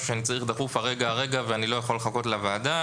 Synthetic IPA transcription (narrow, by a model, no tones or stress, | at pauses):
uʃeanit͡saʁiχd̪aχufaʁe̞ɡaʁe̞ɡaveanilo̞jaχo̞leχako̞t̪lavaːda